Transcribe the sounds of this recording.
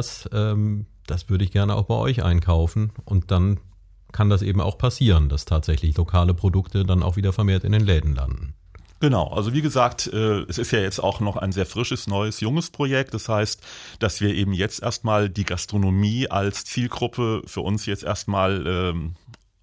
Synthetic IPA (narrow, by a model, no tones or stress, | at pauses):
sʔɛːm | d̥asv̥ʏɐɾəɪçɡ̥ɛɐnəʔaʊxb̥aɪʔɔ̰ʏçʔa̰ɪnkʰaʊfn̩ʔʊnt̚d̥an | kʰandasʔeːbm̩a̰ʊxpʰasiːʁəndastʰaːtz̥ɛçlɪçlokʰaːləpʁ̥odʊktʰədana̰ʊxv̥iːdɐfɛɐmeːɐtɪ̰ndeːnlɛːdn̩la̰ndn̩ | ɡ̥ənaʊʔa̰lzoviːɡəzaːk̚tʔɛːɛsɪstjaːjɛt͡sta̰ʊxnɔχa̰ɪnzeːɐfʁ̥ɪʃəsnɔʏəsjʊŋəspʁ̥ojɛk̚td̥ashaɪstd̥asv̥iːɐʔeːbm̩jɛt͡stʔḛːɐstmaːldiːɡastʁ̥onomiːʔa̰lst͡siːlɡʁʊpʰəfyːɐʔʊnsjɛt͡stʔḛːɐstmaːlʔɛːm